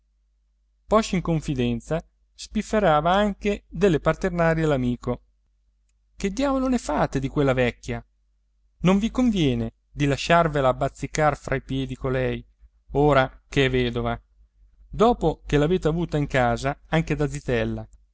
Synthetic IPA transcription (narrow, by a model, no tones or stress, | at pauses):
pɔʃiŋkoɱfid̪ɛnt̪sa | spifːeɾaːvaaŋked̪elːepart̪ernaːɾjelamiːko | k̟ed̪ːjaːvolonefaːt̪ed̪ikwelːavɛkːja | noɱvikoɱvjɛːne | d̪ilaʃːarvelaːbːat̪sːikarfɾʔaipjɛːd̪ikolɛj | oːɾak̟eɛvɛːd̪ova | d̪ɔːpok̟elaveːt̪eavuːt̪aiŋkaːzaaŋk̟ed̪ad̪zit̪ɛlːa